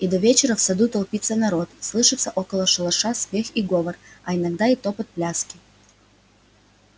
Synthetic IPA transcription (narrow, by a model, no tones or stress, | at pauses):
id̪ɐvʲet͡ɕɪɾəfsɐd̪ut̪ɐlˠpʲit̪sənɐɾo̞t̪slˠɨʂɨt̪sːəʔokəlˠəʂɨlˠɐʂasmʲe̞xiɡo̞vərɐɪnɐɡd̪ait̪opət̪̚plʲaskʲɪ